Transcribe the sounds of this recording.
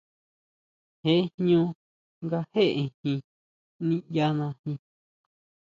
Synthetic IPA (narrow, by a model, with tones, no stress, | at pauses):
he˦ʔhɲõ˧ | ŋɡa˧he˦ʔe˧hĩ˧ | nĩ˦ja˦nã˧hĩ˧